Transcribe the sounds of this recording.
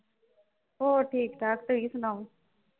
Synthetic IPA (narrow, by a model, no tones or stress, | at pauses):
oːʈʰiːkd̪aːk̚t̪oiːsʊnaːũ